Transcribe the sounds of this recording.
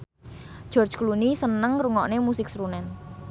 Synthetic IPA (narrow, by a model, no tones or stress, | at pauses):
ʒ̥ɔrd̥d͡ʒklunisənəŋruŋɔʔnemusɪksɾunɛn